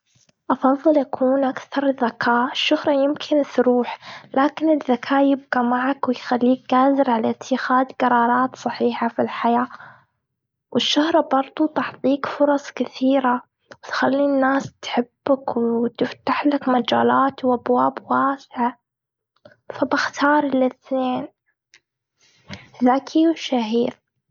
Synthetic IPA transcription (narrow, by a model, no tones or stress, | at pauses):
ʔɑfɑðˤːɨlʔakʰuːnʔakθɑɾˤðːakaːʔʔɪʃːʊhɾˤɑjɪmkʰɪnsɾuːħlaːkɪnɪðːakʰaːʔjɪb̚ɡamaʕakwɪjxalːiːk̚ɡaːzɪɾʕalaʔɪt̪ʰːɪxaːd̪ɡɑɾˤɑːɾˤɑːt̪sˤɑħiːħafilħajaː | wʔɪʃːahɾˤɑbɑɾˤd̪ˤut̪ɑʕt̪ˤiːkfʊɾˤɑsˤkɪθiːɾa | wɪt̪xalːiːnːaːst̪ħɪbːakwt̪ɪft̪aħlakmad͡ʒaːlaːt̪wʔabwaːbwaːsɪʕa | fabɪxt̪ʰɑːɾˤɪlɪθneːn | ðakʰiwɪʃaɦiːɾ